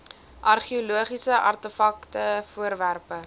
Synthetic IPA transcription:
ʔɐrχioluəχisəʔɐ̰rtəfɐktəfuəɾværpə

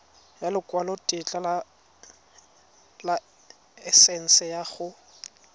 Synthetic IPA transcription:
jalɪkʼwalɔtʼɪt͡ɬʼala | la | ɛsɛn̩sɛjaχʊ

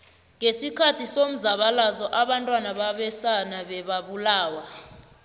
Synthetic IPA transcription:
ŋesikʰatʰisom̩zaɓalazɔʔaɓantʼwanaɓaɓɛsanaɓɛɓaɓulaːwa

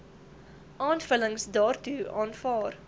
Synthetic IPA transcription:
ʔɑːnfələŋsdɑːrtuɑːnfɑːr

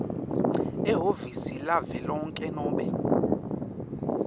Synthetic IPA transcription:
ɛɦovisilavɛlɔŋkʼɛnɔːɓɛ

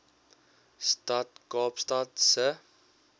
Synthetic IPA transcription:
stat̪ɡɑːpst̪at̪sə

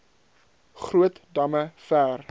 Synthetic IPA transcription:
χɾuətdɐməfæːr

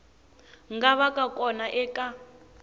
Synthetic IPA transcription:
ŋɡaβakʼakʼɔnaʔɛka

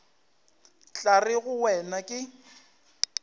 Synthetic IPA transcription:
t͡ɬʼarɪɣʊwɛnakʼɪ

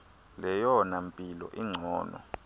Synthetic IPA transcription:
lɛjɔnampʼilɔ̰ʔiŋ͡ǀʱɔːnɔ̰

